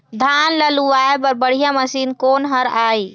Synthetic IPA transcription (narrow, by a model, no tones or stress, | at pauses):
d̪ʱanləluaepəɾbəɽ̤ijãməsiːnkonɦəɾaːi